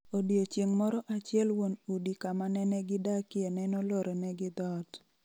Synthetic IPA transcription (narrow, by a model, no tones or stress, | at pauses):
odiot͡ʃiŋmɔɾɔʔat͡ʃɪɛlwonudikamanɛnɛɡɪdakɪɛnɛnɔlɔɾenɛɡɪd̪ɔt